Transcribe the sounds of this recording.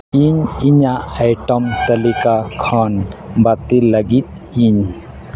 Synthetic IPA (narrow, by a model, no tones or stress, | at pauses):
iɲiɲaajʈəmt̪əlikakʰanbat̪iləɡit̪̚ | iɲ